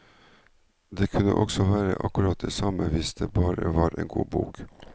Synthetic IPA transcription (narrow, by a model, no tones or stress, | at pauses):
d̪eːkʰʉnəʔɔɡsɔʋæːɾəʔɑkʉɾɑːt̪̚d̪eːsɑməʋɪsd̪eːbɑːɾəʋɑːɾʔeːnɡuːbuːk